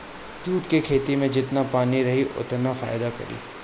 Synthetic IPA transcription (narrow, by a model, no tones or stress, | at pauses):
d͡ʒuːʈkekʰeːt̪imẽd͡ʒɪt̪napaːniɾɐɦiʔʊ̰t̪nafa̰ːɪd̪akɐ̰ɾḭː